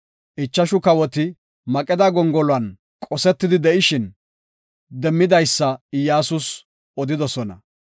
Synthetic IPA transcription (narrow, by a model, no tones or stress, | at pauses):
ʔɪt͡ʃːɐʃʊkɐwɔt̪ɪ | mɐkʼɛd̪ɐɡɔŋɡɔlʊɐn | kʼɔsɛt̪ːɪd̪ɪd̪ɛʔɪʃɪn | d̪ɛmːɪd̪ɐjsːɐɪjaːsʊs | ɔd̪ɪd̪ɔsɔnɐ̰